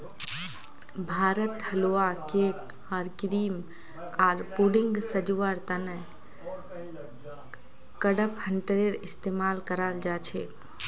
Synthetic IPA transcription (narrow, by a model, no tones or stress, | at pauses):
bʱaːɾət̪həloakek | aːɾkiɾiːm | aːɾpuɽɪŋɡsəd͡ʒuʋaɾt̪ənə | kəɽəphəɳʈəɾeɾɪst̪emaːlkəɾald͡ʒaːt͡ʃʰḛ